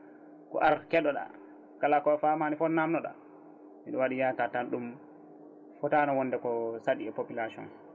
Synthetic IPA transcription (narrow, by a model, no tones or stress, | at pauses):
kɔ̰ʔaɾkɛɗɔɗa̰ | kalakɔfamanifɔnamnɔɗa̰ | miɗɔwaɗijatatanɗum | fɔtaːnawɔnːdɛkɔsaɗiɛpopilasɔ̰n